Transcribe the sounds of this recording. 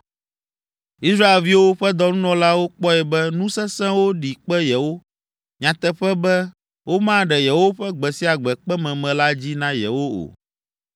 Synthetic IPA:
i˦sɾa˦e˨lvi˦wo˦ɸɛ˦d̪ɔ˨nũ˦nɔ̃˨la˦wo˦k͡pɔ˦ɛ˨bɛ˦nũ˦sɛ˦sɛ̃˦wo˦ɖi˨k͡pɛ˦jɛ˨wo˦ | ɲã˨t̪ɛ˦ɸɛ˦bɛ˦ | wʔo˦mã˦ɖɛ˨jɛ˨wo˦ɸɛ˦ɡ͡bɛ˨si˦a˨ɡ͡bɛ˨k͡pɛ˦mɛ̃˨mɛ̃˨la˦d͡ʑi˦nã˦jɛ̰˨wo˦o̰˨

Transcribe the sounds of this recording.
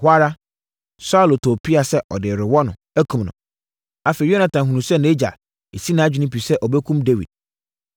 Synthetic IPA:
hʊ˦a˦ɾa˦ | sa˦ʊ˨lo˨tʰo˨pʰi˦a˨sɛ˦ʔɔ˨dɪ˨ɾɪ˨wɔ˦nʊ̃˨ | æ˦kʰũ˨mnʊ̰̃˨ | a˦fe˨jo˦nã˨tã˨ɦũ˨nũ˨sɛ˦ñ˨˦e˦d͡ʑa̰˨ | e˨si˦nã˨˦d͡ʑᶣi˨nĩ˦pi˨sɛ˦ʔɔ˨bɛ˦kʰũ˦mde˦wḭ˨d̥̚

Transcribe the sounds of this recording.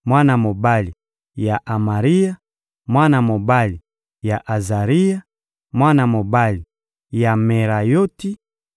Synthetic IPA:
mwa˦na˨mo˨ba˦li˨ | ja˨ʔa˨ma˨ʁi˦ja˦ | mwa˦na˨mo˨ba˦li˨ | ja˨ʔa˨za˨ʁi˦ja˦ | mwa˦na˨mo˨ba˦li˨ | ja˨me˨ʁa˨jo˦ti˦

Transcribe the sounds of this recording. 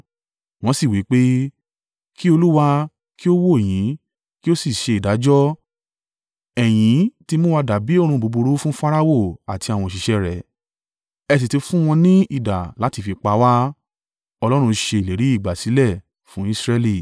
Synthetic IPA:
w̃ɔ̃˧˦si˦˨wi˨˦k͡pe˦ | ki˦o˧lu˦wa˧ | ki˦o˦wo˦e˨j̃ĩ˨˦ | ki˦o˦si˦˨ʃe˧i˨da˨˦d͡ʒɔ˦ | ɛ˨j̃ĩ˨˦ti˧mũ˦wa˧da˨˦bi˨˦o˦˨ɾ̃ũ˧bo˨˧bu˧ɾu˦fũ˦fa˦ɾa˦wo˦˨a˨ti˧a˨w̃ɔ̃˨ʃi˨ʃɛ˧ɾɛ˨ | ɛ˧s̬i˨te˧fũ˦w̃ɔ̃˧nĩ˦i˦˨da˨la˨˦ti˧fi˧k͡pa˧˦wa˦ | ɔ˧lɔ˦ɾ̃ũ˧ʃe˧i˨le˨ɾi˨˦i˦˨ɡ͡ba˨si˨˦lɛ˦˨ | fũ˨˦i˦˧sɾɛ˧li˦˨

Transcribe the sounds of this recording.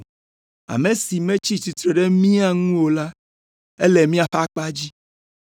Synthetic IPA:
a̰˨me˨si˨mẽ˦t͡ɕi˦ti˨t̪ɾe˨ɖe˦mĩ˦a˦ŋũ˦wo˨la˦ | e˦le˨mĩ˦a˨ɸa˦k͡pa˦d͡ʑi˦

